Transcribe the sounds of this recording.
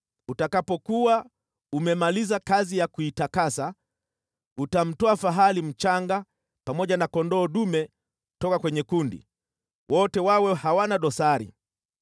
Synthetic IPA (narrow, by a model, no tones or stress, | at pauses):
utakapɔkua | umɛmalizakazijakuitakasa | utam̩tɔafaɦalim̩t͡ʃaŋɡa | pamɔʄanakɔndɔːɗumɛ | tɔkakwɛɲɛkundḭ | wɔtɛwawɛhawanaɗɔsaɾḭ